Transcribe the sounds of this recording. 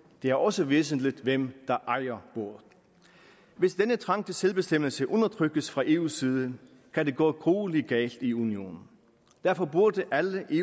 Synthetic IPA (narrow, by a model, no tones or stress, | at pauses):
d̥e̝æɐʔɒ̽səʋe̝ːs̬n̩lid̥ʋemd̥ɑ̈ʔɑ̈ɪɐb̥o̝ɐ̰ðˠ | ʋe̝sd̥enət͡sʰʁɑ̈ŋ̰d̥əselb̥e̝sd̥em̰l̩səʔɔ̽nɐt͡sʰʁœɡ̥əsfʁɑ̈ʔe̝ːṵːsiːð̞ˠə | kʰæd̥e̝ɡ̥ɔ̰ːɡ̥ʁoːliɡ̥ɛ̰ːld̥iunio̝̰ːnn̩ | d̥æɐfɒ̽b̥uɐ̰d̥əʔæləʔe̝